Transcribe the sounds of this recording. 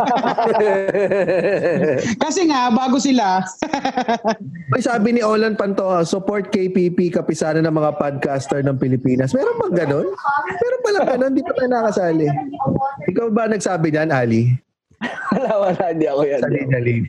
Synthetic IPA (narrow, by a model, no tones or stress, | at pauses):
kɐsɛŋabaːɡosɪla | mɐjsaːbɪnɪʔoːlɐn̚pɐnt̪ohasʊpoɹt̪̚kejpipikɐpɪsaːnɐnɐŋmɐŋapad̪̚kast̪ɛɹnɐŋpɪlɪpiːnɐsmɛːɾonbɐŋɡɐno̞nmɛːɾonpɐlɐŋɡɐno̞nːd̪iːpɐt̪aːjnɐɐkɐsaːlɛ | ʔɪkawbɐɐnɐɡ̚saːbɪɲɐnʔaːli | ɐlawɐlaːd̪iɐkojasɐlinɐli